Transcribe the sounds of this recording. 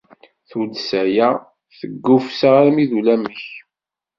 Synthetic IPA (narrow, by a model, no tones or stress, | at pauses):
θulsæjæ | θəɡːʊfsaʁaɾmiðulæməç